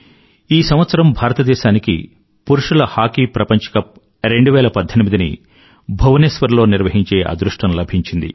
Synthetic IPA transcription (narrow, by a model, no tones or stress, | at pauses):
iːsɐmʋɐt̪sɐɾɐmbʱaːɾɐt̪ɐd̪ɛːʃaːnikḭ | puɾuʂulɐhaːkipɾɐpɐɲt͡ʃɐ̥kɐp | ɾe̞ɳɖuʋɛːlɐpɐd̪ʱːɐnmid̪inḭ | bʱɐʋɐneːsʋɐɾlo̞ːniɾʋɐɦiɲt͡ʃe̞ːʔɐ̰d̪ɾuʂʈɐmlɐbʱiɲt͡ʃind̪ḭ